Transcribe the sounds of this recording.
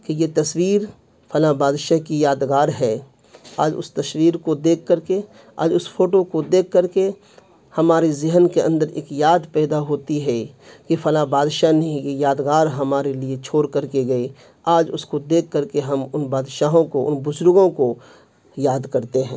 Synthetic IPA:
kejet̪ɐswiːɾ | fʰɐlabaːd̪ʃaɦkijaːd̪ɡaːɾɦɛː | aːd͡ʒʊ̰st̪ɐswiːɾkod̪eːkʰːəɾke | a̰ːd͡ʒʊsfʰoːʈokod̪eːkʰːəɾke | hɐmaːɾezɪɦənkeɐ̰̃nd̪əɾḛːkjaːd̪pɛːd̪aɦoːt̪iɦɛkefɐlabaːd̪ʃanɐɦĩkejaːd̪ɡaːɾɦɐmaːɾeliet͡ʃʰoːɾkɐɾkeɡɐi | aːd͡ʒʊskod̪eːkʰːɐɾkeɦɐmʊnbaːd̪ʃaːɦõkoʔʊ̰nbʊzʊɾɡõko | jaːd̪kɐɾt̪eɦɛ̰̃ː

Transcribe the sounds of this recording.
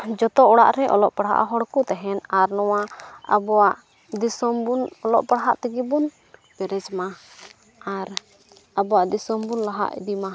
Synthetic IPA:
d͡ʒɔt̪ɔʔɔɽa̰ʔɾɛʔɔ̰lɔʔpaɽɦa̰ʔɦɔɽkut̪ɛɦɛnaɾnɔwaa̰bɔwaʔ | d̪isɔmbunɔlɔʔpaɽɦaʔt̪ɛɡɛbun | bɛɾɛd͡ʒma | aɾ | abɔwaʔd̪isɔmbunlaɦa̰ʔḭd̪ima

